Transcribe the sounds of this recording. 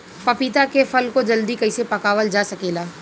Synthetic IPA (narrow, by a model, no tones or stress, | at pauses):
pɐpit̪akefʰɐlkod͡ʒɐld̪ikɐɪsepɐkaːʋəld͡ʒaːsɐkeːlaː